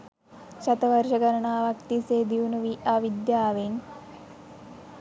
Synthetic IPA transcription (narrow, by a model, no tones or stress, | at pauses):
ʃɐt̪ɐʋɐɾʃɐɡɐɾɐɳaːʋɐkt̪iseːd̪iʋunuʋiaːʋid̪jaːʋen